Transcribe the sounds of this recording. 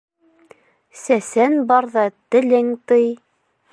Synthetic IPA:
sæsænbɑɾðɑt̪ɘ̆lɘŋt̪ɤj

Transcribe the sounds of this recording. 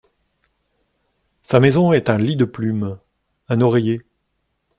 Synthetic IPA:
samezɔ̃ɛt̪ɛ̃lid̪əplym | ɛ̃nɔʁeje

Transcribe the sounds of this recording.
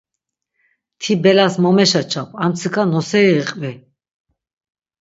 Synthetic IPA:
t̪ʰibɛlasmɔmɛʃat͡ʃʰapʼamt̪sʰikʰanɔsɛːqʼvɛ

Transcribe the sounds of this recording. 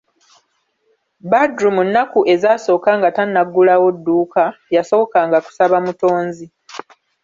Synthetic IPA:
badɾumunːakuʔe̞zaːso̞ːkaŋɡatanːaɡːulawo̞dːuːkajaso̞okaːŋɡaku̥saβamuto̞ːnzi

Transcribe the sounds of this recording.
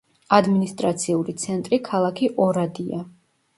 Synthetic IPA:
ad̪minist̪ʼɾat̪sʰiulit̪sʰɛnt̪ʼɾikʰalˠakʰiʔɔɾad̪ia

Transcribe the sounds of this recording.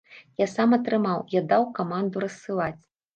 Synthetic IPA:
jasamɐt̪ɾɨmawjad̪awkamand̪uɾɐsːɨlˠat͡sʲ

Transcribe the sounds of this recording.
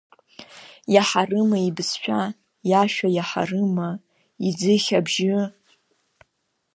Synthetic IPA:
jaħarɨmaibsħʷᶣa | jaʃᶣajaħa̰rɨma | id͡zɨχʲabʒɪ

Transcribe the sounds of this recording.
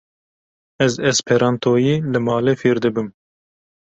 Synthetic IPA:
ɛzɛzpʰɛɾɑːnt̪ʰoːjiːlɨmɑːleːfeːɾd̪ɨbɨm

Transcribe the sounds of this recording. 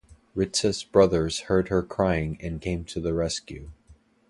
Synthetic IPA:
ɹɪtsɨsb̥ɹʌðə˞z̥hɜ˞d̚ə˞kʰɹ̥aɪɪ̃ŋɨ̃nkʰẽɪ̃mtʰɨðɨɹɛskjʉ

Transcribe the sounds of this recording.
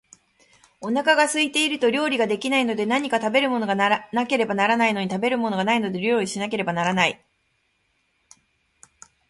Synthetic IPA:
o̞nakaɡasɨit̪e̞iɾɯ̟t̪o̞ɾʲo̞ːɾʲiɡad̪e̞kʲinaino̞d̪e̞naɲ̟ikat̪abe̞ɾɯ̟mo̞no̞ɡannake̞ɾe̞banaɾanaino̞ɲ̟it̪abe̞ɾɯ̟mo̞no̞ɡanaino̞d̪e̞ɾʲo̞ːɾʲiɕinak̬e̞ɾe̞banaɾanai

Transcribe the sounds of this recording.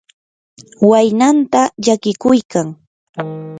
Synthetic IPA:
wajnant̪aʎakɪkʊjkaŋ

